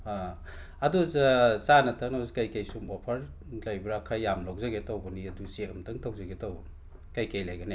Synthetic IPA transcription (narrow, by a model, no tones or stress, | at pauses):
a | aduzsanɐtʰaknaskajkajsumbapʰaɾ | lajbɾakʰajːamlowzaɡetawbɐniɐdusemtʰɯŋtʰawzaɡetawb | kajkajlajɡane